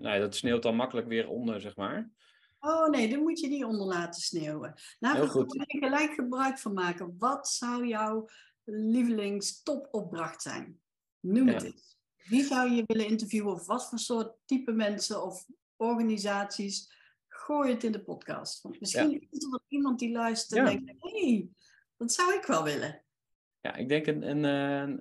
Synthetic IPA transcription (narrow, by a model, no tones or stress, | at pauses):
no̰jadɑtsneːwtɑnmɑkələkʋɪːɹɔ̰ndəɹzɛχma̰ːɹ | oːwnejdɑmutjədiɔndəɹlaːtəsnewə̰daːənɣəlɛjkxəbrœɥkfɑnmaːkəʋɑtsʌwjɔw | livəlɪŋstɔpɔp̚brɑxtsɛ̰jn | numtɪ̰t | ʋizʌwjəʋɪlənɪntəɹvjuwəɔfʋɑtfʊːɹsʊːɹtːipəmɛnsəɔf | ɔɹɣaːnizaːtsis | χoːjətɪndəpɔtkɑ̰ːstʋɑntmɪsxinɪzədɑtimɑnt̚dilœɥstə̥tɛndɛŋk̚ɦej | d̥ɑtsʌwɪkʋɛlˠʋɪlʔə̰ | ja̰ʔɪ̰ɡ̚dɛŋkənən